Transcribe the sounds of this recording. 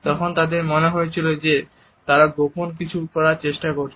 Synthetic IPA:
t̪ɔkʰont̪ad̪eɾmoneɦojet͡ɕʰilod͡ʑe | t̪aɾaɡoponk̬it͡ɕʰukɔɾaɾt͡ɕeʃʈakoɾt͡ɕʰ

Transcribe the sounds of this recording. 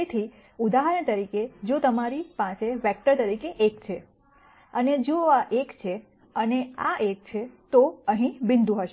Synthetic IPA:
et̪ʰi | ud̪aɦaɾəɳt̪əɾiked͡ʒot̪əmaɾipãt͡ʃeʋɛk̚ʈəɾt̪əɾikeʔekt͡ʃʰe | əned͡ʒoaʔekt͡ʃʰe | ənea̰ʔek̚t͡ʃʰet̪oəɦĩbɪ̃nd̪ʱũɦəʃe

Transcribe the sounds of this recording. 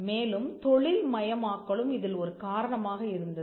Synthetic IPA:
meːlɯmt̪ɔɭɪlmɐjɐmaːkːɐɭɯmɪðɪlɔɾɯkaːɾɐɳɐmaːɣɐɪɾɯnd̪ɐð

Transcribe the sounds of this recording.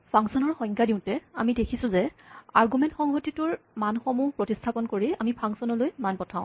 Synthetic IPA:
pʰaŋsɔnɔɹxɔj̃ŋkadiʊ̃tɛamidekʰisʊ̃zɛa̰ɹɡumɛntxɔŋɦotitʊɹmanxomuɦpɹotistʰapɔnkoɹiamipʰaŋsɔnɔlojmanpɔtʰaʊ̃

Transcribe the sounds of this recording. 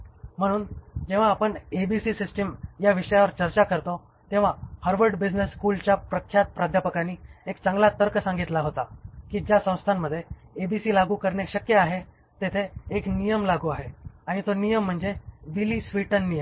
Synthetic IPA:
m̤əɽ̃uːnd͡ʑẽʋ̤aːpəɳebisiːsisʈəmjaʋiʂəjaʋəɾt͡ɕəɾt͡ɕakəɾt̪o | t̪ẽʋ̤ahəɾʋəɾɖbid͡ʑnesːkult͡ɕjapɾəkʰjat̪̚pɾad̪ʱjapəkaɽ̃iːekt͡səŋɡlat̪əɾkəsãŋɡit̪laɦot̪akiːd͡ʑjasə̃w̃st̪ʰamːəd̪ʱːjeebisiːlaɡuːkəɾɳekɕəkjəaɦe | t̪et̪ʰeːknijəmlaɡuaɦeaɽ̃it̪onijəm̤ːəɳd͡zeʋiliːsʋiʈənːijəm

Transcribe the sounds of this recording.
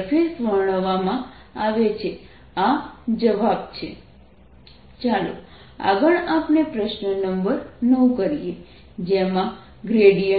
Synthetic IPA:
fʰesʋəɦɳ̃əʋamã | aʋet͡ʃʰe | ad͡ʒəʋabt͡ʃʰe | t͡ʃalo̰ | a̰ɡəɭapnepɾəʃnənəmbəɾnəũkəɾije | d͡ʒemã | ɡɾeɽijə

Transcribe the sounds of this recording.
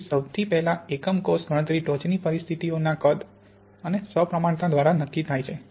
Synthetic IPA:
səwt̪ʰipɛɦlaekəmkosɡʱəɽ̃ət̪ɾiʈot͡ʃnipəɾist̪ʰit̪ionakəd̪ | ənesəpɾəmãɳt̪ad̪ʋaɾanəkːit̪ʰajt͡ʃʰe

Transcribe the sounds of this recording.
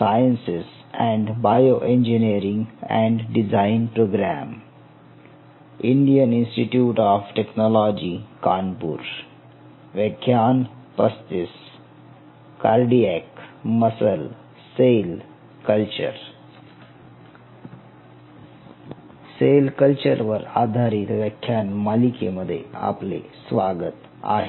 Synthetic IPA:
sajə̃nsɪs | ɛ̃ɳɖbajoʔẽnd͡ʒiniəɾĩŋɡɛ̰̃ɳɖɖizãɪnpɾoːɡɾæ̃ːm | ʔĩɳɖiə̃nĩnsʈiʈjuːʈɔːfʈeknɔlɔd͡ʒikaːnpṵɾ | ʋekʰːjaːnpəst̪ɪs | kaɾɖiɛkməsəl | sel | kəlt͡ɕə̰ɾ | selkəlt͡ɕəɾʋəɾa̰d̪ʱaɾit̪ʋəkʰːjanmalikḛməd̪ʱːjḛa̰plḛsʋaɡət̪ | a̰ɦe

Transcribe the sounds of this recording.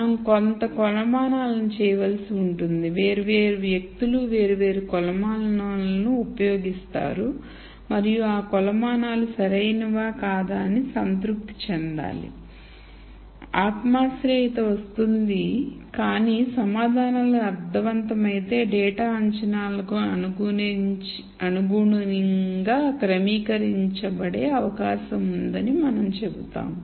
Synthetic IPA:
ɐmukont̪ɐkɔlɐmaːnaːlɐnut͡ʃɛːjɐʋɐlsiuɳʈund̪iʋe̞ːɾiʋe̞ːɾuʋjɐk̚t̪uluʋe̞ːɾiʋe̞ːɾukɔlɐmaːlɐnaːlɐnuːpɐjo̞ːɡist̪a̰ːɾu | mɐɾijuaːkɔlɐmaːnaːlusɐɾɐjnɐʋaːkaːd̪aːɐnisɐnt̪ɾuk̚t̪i̥t͡ʃɛnd̪a̰ːlḭ | aːt̪maːsɾejt̪ɐʋɐst̪und̪ikaːniːsɐmaːd̪ʱaːnɐlɐɐɾd̪ʱːɐʋɐnt̪ɐmɐjit̪e̞ːɖɛːʈaːɐɲt͡ʃɐnaːlɐkuɐnuɡun | ɐnuɡuɳuniŋɡaːkɾɐmiːkɐɾiɲt͡ʃɐbɐɽe̞ːɐʋɐkaːʃɐmund̪ɐnimɐnɐmt͡ʃe̞but̪a̰ːm

